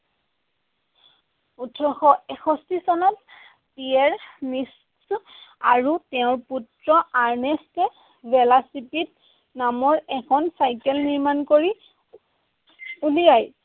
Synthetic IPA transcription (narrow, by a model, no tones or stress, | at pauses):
utʰɔxɔɛxʰɔstisɔnɔt | piɛɹmis | sa̰ɹutɛʊ̃ɹputɹɔʔaɹnɛstɛ | bɛlasipit̚ | namɔɹɛkʰɔnsajkɛlniɹmankoɹi | ulijaj